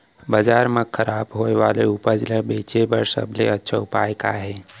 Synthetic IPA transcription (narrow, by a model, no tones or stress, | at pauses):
bəd͡ʒaːɾmekʰəɾaːbɦoːeʋaːleʊpəd͡ʒlebeːt͡ʃebəɾsə̰bleətːʃʰaʊpa̰ːeka̰ɦɛː